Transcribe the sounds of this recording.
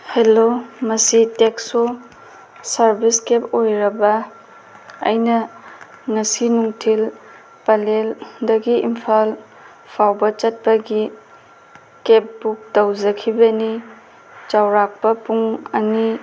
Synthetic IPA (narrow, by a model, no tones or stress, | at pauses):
helomɐsitekso | sɐɾbiskepojɾɐbɐː | jnɐ | ŋɐsinuŋtʰil | pɐleldɐɡiimpʰal | pʰawbɐt͡ʃɐt̚pɐɡi | kep̚buk̚tawzɐkʰibɐni | t͡ʃawɾak̚pɐpuŋɐŋi